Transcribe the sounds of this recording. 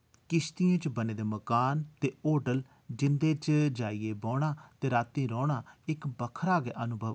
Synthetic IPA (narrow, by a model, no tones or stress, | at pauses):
kɪst̪ijẽːt͡ʃbəneːd̪eːməkaːnt̪eːoːʈəl | d͡ʒɪnd̪eːt͡ʃd͡ʒaːiːeːbɔːɽ̃aːt̪eːɾaːt̪ːĩːɾɔːɽaːɪkbəkʰɾaːɡeːʔənʊbʱəʋ